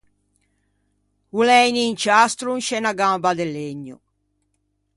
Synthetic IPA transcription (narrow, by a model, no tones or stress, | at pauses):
ulɛjniːnt͡ʃast̪ɾunʃɛnaɡambad̪elːeɲːṵ